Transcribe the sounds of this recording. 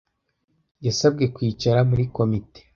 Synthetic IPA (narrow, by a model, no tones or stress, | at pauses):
jasab̚ɡe̞kwiːt͡ʃaɾamuɾiko̞mite̥